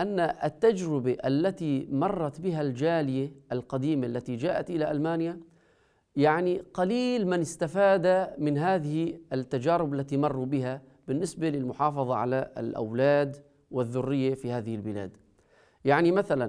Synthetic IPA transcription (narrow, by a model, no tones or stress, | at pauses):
ʔanːaʔt̪ːad͡ʒɾɪbaʔalːat̪imɑrˤːɑt̪bɪɦald͡ʒaːlɪjaʔalqɑd̪iːmaʔlːat̪id͡ʒaːʔat̪ʔɪlaʔalmaːnja | jaʕniqaliːlmɪnɪst̪afaːd̪amɪnɦaːðɪhiɪt̪ːad͡ʒaːɾɪbalːat̪imɑrˤːubɪha | bɪnːɪsbalɪlmʊħɑːfɑðˤɑʕa̰la̰lʔa̰wlaːd̪ | wɪðːʊrːɪjːafihaːðɪhɪlbɪla̰ːd̪ | jaʕnimaθalan